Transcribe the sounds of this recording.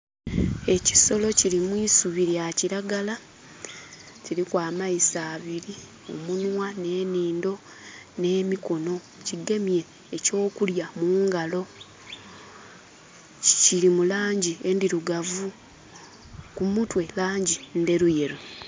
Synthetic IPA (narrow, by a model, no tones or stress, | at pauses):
e̞ci̥so̞lo̞ciɾimwiːsuβiɾjaciɾaɡala | ciɾikwaːmaisaːβiɾi | o̰munwane̞ːniːndo̞ | ne̞ːmiko̞no̞ | ciɡe̞mje̞ː | co̞ːkuljamuːŋɡalo̞ | ciɾimulaːɲɟie̞ndiɾuɡavu | kumutwe̞laːɲɟinde̞ɾuje̞ɾu